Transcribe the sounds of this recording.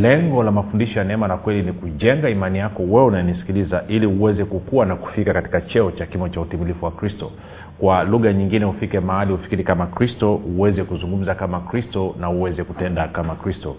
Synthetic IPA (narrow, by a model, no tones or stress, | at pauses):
lɛŋɡɔlamafundiʃɔjanɛɛmalakwɛlinikuʄɛŋɡaimanijakɔwɛunajɛnisi̥kilizaʔiliuwɛzɛkukuwanaku̥fikakati̥kat͡ʃɛɔt͡ʃakimɔt͡ʃautimilifuwakɾistɔ | kwaluɣaɲiŋɡinɛhufikɛmahaliufi̥kiɾikamakɾistɔuwɛzɛkuzuŋɡum̩zakamakɾistɔnauwɛzɛkutɛndakamakɾistɔ